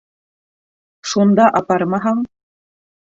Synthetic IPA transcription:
ʃund̪ɑʔɑpɑɾmɑɦɑɴ

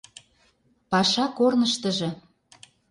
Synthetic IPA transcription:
pɑʃɑkornəʃt̪ə̆ʒɤ̆

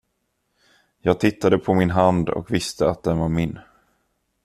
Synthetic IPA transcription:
jɑːɡ̚t̪ʰɪt̪ːad̪əpʰɔmɪnɦand̪ɔ̰kvɪst̪əat̪̚d̪ɛnvaɾmɪnː

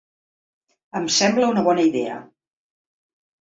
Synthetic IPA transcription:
əmsɛmbləunəβ̞ɔnəiðeə̰

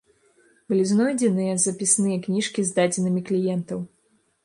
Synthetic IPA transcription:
bɨlʲiznɔjd͡zʲɛnɨjɛzɐpʲisnɨjɛknʲiʂkʲizd̪ad͡zʲɛnɨmʲiklʲijɛnt̪ɐw

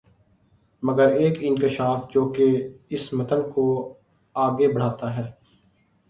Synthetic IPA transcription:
məɡəɾeːkɪ̃ŋkɪʃaːfd͡ʒoːkeɪsmət̪ənko | aːɡebəɽ̤aːt̪aɦɛː

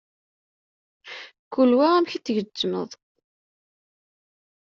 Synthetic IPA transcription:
kːulwææmçiθʝəd͡ʒːmə̰ðˤ

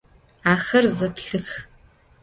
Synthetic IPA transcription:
aːxɐrzɐpɬɨx

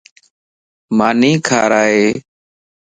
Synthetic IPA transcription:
maːniːkʰa̰ːɾaːɦeː

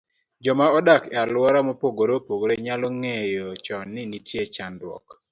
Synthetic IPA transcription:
d͡ʒɔmaɔdakalwɔɾamɔpoɡoɾopoɡoɾeɲalɔŋejɔt͡ʃɔnːɪnitʰjet͡ʃandwɔ̰k

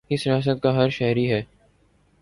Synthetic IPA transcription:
kɪsɾɪjaːs̬ət̪̚kaɦɐɾʃɛɦɾiɦɛː

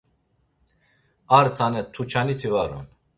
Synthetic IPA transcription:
aɾt̪ʰanɛt̪ʰːut͡ʃʰanit̪ʰivaɾɔ̰n

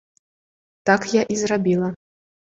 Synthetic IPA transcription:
t̪akjaʔizrabʲilˠɐ

